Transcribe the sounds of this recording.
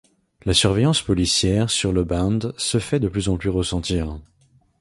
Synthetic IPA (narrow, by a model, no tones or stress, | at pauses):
lasyʁvejɑ̃spɔlisjɛʁsyʁləbɑ̃d̪səfɛd̪əplyzɑ̃plyʁəsɑ̃t̪iːʁ